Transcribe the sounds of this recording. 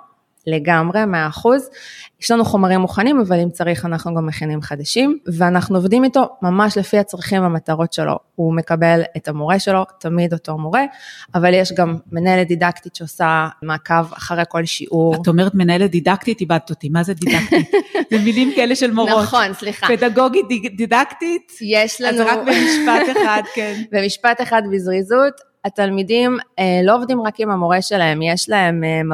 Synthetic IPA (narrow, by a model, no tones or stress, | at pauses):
le̞ɡamʁe̞meaːχuzjɛʃlanuχo̞maʁimːuχanimavalimt͡saʁiχanaχnuɡamːeχinimχadaʃimveanaχnuovdimito̞mamaʃle̞fiat͡sʁiχimvamataʁo̞tʃelo̰ume̞kabe̞letamo̞ʁe̞ʃe̞lo̞tamidoto̞mo̞ʁe̞avaljeʃɡamːenaeledidaktitʃeosamaːkava̰χaʁejko̞lʃḭʔuʁaomeʁet̪menaeled̪idakt̪it̪ibad̪̚t̪ot̪imazedidaktitzemilimkaeleʃelmoʁnoχo̞nsliχapedaɡoɡididaktitjeʃlanʁabemiʃpatead̪kenbemiʃpateχadbizʁizut | atalmidimlo̞ovdimʁakimamo̞ʁe̞ʃe̞lae̞mjeʃlae̞mm